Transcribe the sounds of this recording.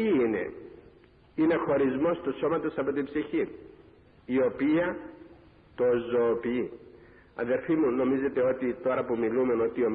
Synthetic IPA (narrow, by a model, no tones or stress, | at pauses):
iine̞̰ | ine̞xo̞ɾizmo̞st̪uso̞mɐt̪o̞sɐpot̪ibsiçi | io̞piɐ | t̪o̞zo̞ːpii | ɐ̰ðe̞ɾfimuno̞mize̞t̪e̞o̞t̪it̪o̞ɾɐpumilume̞no̞t̪iom